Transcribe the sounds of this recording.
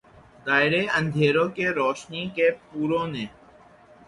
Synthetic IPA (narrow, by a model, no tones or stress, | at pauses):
d̪aːɪɾeːʔənd̪ʱeːɾoːkeːɾoːʃniːkeːpuːɾõːnẽː